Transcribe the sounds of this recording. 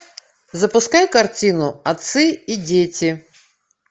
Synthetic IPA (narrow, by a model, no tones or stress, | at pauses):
zɐpʊskajkɐrtʲinʊɐt̪sɨidʲetʲɪ